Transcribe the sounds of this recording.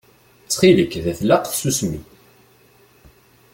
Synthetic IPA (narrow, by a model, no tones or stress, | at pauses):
t͡sːχiləkːðæθlaæqθsusmḭ